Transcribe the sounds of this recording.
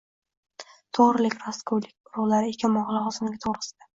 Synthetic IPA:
t̪ʰoʁɾɪlɪkʲɾaskʰowlɪk̚ʲʊɾʊʁlaɾɪekʲʰamɒʁlˠahɒzɪmɪɡʲat̪ʰoʁɾɪsɪd̪̥a

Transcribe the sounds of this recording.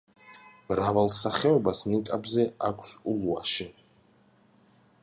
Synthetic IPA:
mɾavalˠsaχɛɔbasnikʼabzɛakʷʰsulua̰ʃi

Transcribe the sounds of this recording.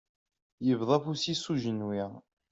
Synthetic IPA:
jəvðˤɑfusisuʒənwiʁ

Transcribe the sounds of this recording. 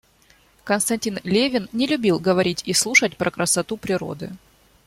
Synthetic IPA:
kənst̪ɐnʲtʲinlʲevʲɪnnʲɪlʲʊbʲilˠɡəvɐɾʲitʲislˠuʂət̚ʲpɾɐkɾəsɐt̪upɾʲɪɾo̞̰d̪ɨ̰

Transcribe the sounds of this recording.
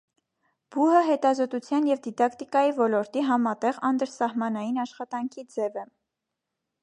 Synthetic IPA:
b̥uɦəɦɛt̪ɑzɔt̪ut͡sʰjɑnjɛvd̪id̪ɑkt̪ikɑjivɔlɔɾt̪iɦɑmɑt̪ɛʁɑnd̪əɾsɑhmɑnɑjinɑʃχɑt̪ɑŋkʰid͡zɛvɛ

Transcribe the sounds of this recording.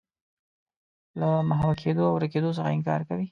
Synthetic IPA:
lamaɦwakʰed̪oawɾaked̪os̬əxaɪŋkɑ̰ɾkawi

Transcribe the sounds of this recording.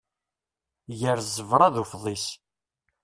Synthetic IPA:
jəɾzəvɾˤɑðufðˤis

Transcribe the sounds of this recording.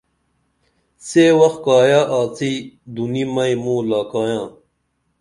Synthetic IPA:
seːwɐx̚kaːjaːʔaːt͡sʰid̪unimɐjmũːlaːkaːjãː

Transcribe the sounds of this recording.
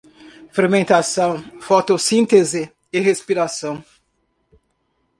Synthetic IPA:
feɾmẽnt̪asɐ̃w̃fɔt̪osĩnt̪ezɪ | ɪhespiɾasɐ̃w̃

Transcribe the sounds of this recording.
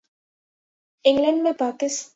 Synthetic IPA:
ɪ̃ŋɡlɐ̃ɳɖmepaːkɪs

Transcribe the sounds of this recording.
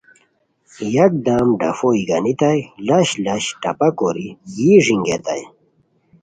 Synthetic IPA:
jɐk̚d̪aːmɖɐ̰foiɡɐnit̪ajlɐɕlɐɕʈɐ̰pɐkoɾijiʐiŋɡet̪a̰j

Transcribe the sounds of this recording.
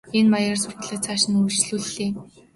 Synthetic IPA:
enmajə̆raːrsʊrʁə̆ɮăt͡sʰaːʃɪ̆niŋu̥t͡ɕɮuːɮːeː

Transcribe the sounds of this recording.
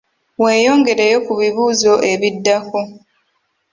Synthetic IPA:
we̞ːjo̞ːŋɡe̞ɾejo̞kuβiβuːzo̞ʔe̞βidːako

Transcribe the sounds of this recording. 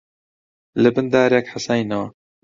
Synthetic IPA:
lɨbɨnd̪aːɾjɛkħasaːjnawa

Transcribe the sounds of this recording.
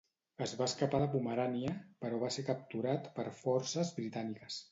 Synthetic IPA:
əzβaəskapaləpuməɾaniəpəɾɔβ̞asekəp̚t̪uɾat̪pəɾfɔɾsəzβɾit̪anikəs

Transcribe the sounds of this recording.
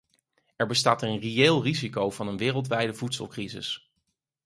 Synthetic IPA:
ɛɹbəstaːtəənrejeːlˠrizikowv̥ɑnənʋɪːrəlˠtʋɛjdəvutsə̰lˠkrizɪ̰s

